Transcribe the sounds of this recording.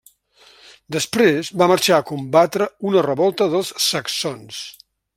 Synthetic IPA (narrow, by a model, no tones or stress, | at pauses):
d̪əspɾezβaməɾʃaəkumbat̪ɾəunərəβɔlˠt̪əðəlˠsːəksons